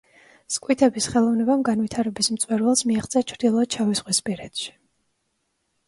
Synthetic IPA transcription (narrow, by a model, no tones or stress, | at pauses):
skʼwit̪ʰɛbisχɛlˠɔvnɛbamɡanvit̪ʰaɾɛbism̩t̪sʼwɛɾvɛlˠsmiaχt̪sʼiat͡ʃʰɾd̪ilˠɔt͡ʃʰavisʁwispʼiɾɛt̪ʃi̥